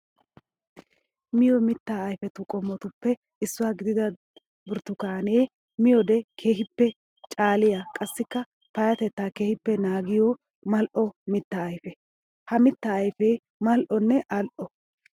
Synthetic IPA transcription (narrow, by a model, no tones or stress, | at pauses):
mɪjɔmɪt̪ːaːjfɛt̪ʊkʼɔmːɔt̪ʊpːɛ | ɪsːʊwaːɡɪd̪ɪd̪ɐ | bʊɾt̪ːʊkaːneː | mɪjɔd̪ɛkʰe̞ːhɪpːɛ | t͡ʃʼaːlɪjakʼɐsːɪkːɐ | pɐjɐt̪ɛt̪ːaːke̞ːhɪpːɛnaːɡɪjɔ | mɐlʔɔmɪt̪ːɐːjfɛ | hɐmɪt̪ːɐːjfeː | mɐlʔɔnːɛʔɐlʔɔ